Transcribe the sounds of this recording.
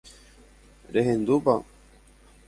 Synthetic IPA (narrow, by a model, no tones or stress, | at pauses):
ɾeɦend̪upa